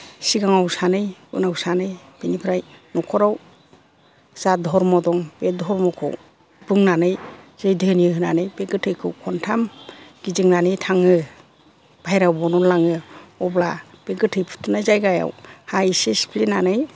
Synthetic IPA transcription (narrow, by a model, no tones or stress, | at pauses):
siɡaŋawsanɯjɯ̰nawsanɯj | b̥enipʰɾajnɔkʰɔɾaw | z̥adʱɔɾmɔdɔŋbedʱɔɾmɔkʰɔ̰w | bɯŋnanɯjz̥ɯjdɯniɯɦɯnanɯjbeɡɯtʰɯjkʰɯwkʰɔntʰamɡ̥izɯŋnanɯjtʰaŋɯ | b̥ʱajɾawbɔnɔlaŋɯɔblab̥eɡɯtʰɯjpʰu̥tʰunajzajɡaja̰whaisesi̥pʰlinanɯj